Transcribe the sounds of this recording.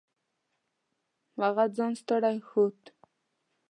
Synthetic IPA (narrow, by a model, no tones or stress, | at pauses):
maʁad͡zɑnst̪əɽajxut̪